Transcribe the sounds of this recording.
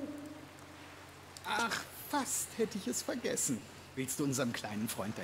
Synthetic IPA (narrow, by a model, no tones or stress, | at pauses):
ʔaχ | fasthɛtəɪçɛsfɛɐɡɛsn̩ | v̥ɪlst̚d̥uːʊnzəʁəmkʰl̥aɪnənfʁ̥ɔʏnt̚d̥a